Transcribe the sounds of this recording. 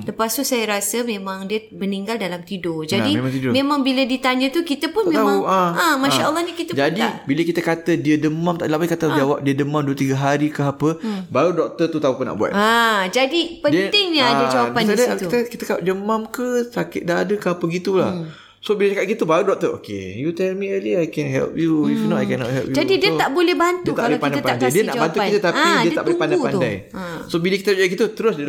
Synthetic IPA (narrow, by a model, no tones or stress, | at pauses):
ləpast̪uʔsajaɾasəmẽmãŋdiəbəniŋɡaldalamt̪idod͡ʒadimmãt̪idomemãŋbilədit̪aɲət̪ukit̪əpʊnmẽamaŋaãmãʃaʔəlˠːɑhnikit̪əd͡ʒadiabiləkit̪əkat̪ədiədəmamt̪aʔdəlaʔpaikat̪ad͡ʒawap̚diədəmamduət̪iɡəɦaɾikəɦapəbaɾudɔk̚t̪ət̪ut̪aupʊna̰ʔbua̰t̪ad͡ʒadipənd̪ɪŋɲaaəd͡ʒawapanadt̪it̪akit̪akalaʔd͡ʒəmamkəsakɪt̪̚daadəkəapəɡit̪ulah | sobilad͡ʒakat̪̚ɡit̪ubaɾudɔk̚t̪əʔo̰kḛjut̪ɛlmiəliajkɛnɦɛ̰lp̚juifnɔtajkɛnɔ̰ʔ̪hɛ̰lpjud͡ʒadidiət̪aʔbolɛhbant̪iuət̪abolpandapaandajdiənaʔbant̪ukit̪at̪aidiət̪aʔbolɛpandajpandaj | sobiləkit̪ad͡ʒawaʔɡit̪ut̪əɾʊsdiə